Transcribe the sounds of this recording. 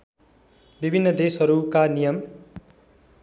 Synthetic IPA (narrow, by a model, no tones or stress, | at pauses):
bibʱinːʌd̪esɦʌɾukanijʌm